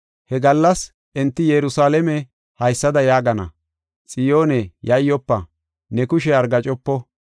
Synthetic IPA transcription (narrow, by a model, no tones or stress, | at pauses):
hɛɡɐlːɐs | ʔɛnt̪ːɪjɛɾʊsaːlɛmɛ | hɐjsːɐd̪ɐjaːɡɐnɐ̰ | t͡sʼɪjo̞ːnɛjɐjːɔpːɐ | nɛkʊʃɛɐɾɡɐt͡ʃʼɔpːɔ